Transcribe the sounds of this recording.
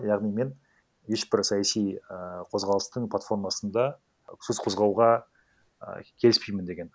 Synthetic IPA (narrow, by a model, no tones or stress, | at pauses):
jɑʁnijme̞n | je̞ʃbɪɾsɑjɑsijqʰo̞zʁɑlˠəst̪əɴplˠat̪fo̞rmɑsənd̪ɑ | sɵzqʰo̞zʁɑwʁɑ̰ | kʲʰe̞lɪspijmɪnd̪e̞ɡʲe̞n